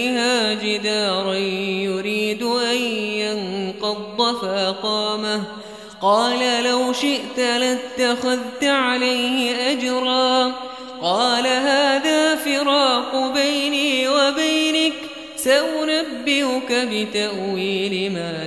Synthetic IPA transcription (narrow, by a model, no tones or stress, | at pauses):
haːd͡ʒɪd̪aːɾˤɑnjʊɾiːd̪ʊʔanjanqɑd̪ˤːɑfaʔaqɑːmah | qɑːlalawʃɪʔt̪alat̪ːaxʊðt̪aʕalajhɪʔad͡ʒɾˤɑː | qɑːlaɦaːðaːfɪɾɑːqbajniːwabajnɪk | saʔʊnabːɪhʊkabɪt̪aʔwiːlɪmaː